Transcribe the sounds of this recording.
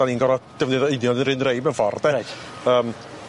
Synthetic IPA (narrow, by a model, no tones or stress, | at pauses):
aninɡɔɾɔd̥əvnɪðɔɪnjɔdənɾɪnrejmɛnfɔrdɛəːm